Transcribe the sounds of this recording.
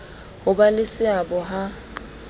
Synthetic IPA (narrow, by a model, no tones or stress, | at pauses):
hʊbalɪsɪabɔɦa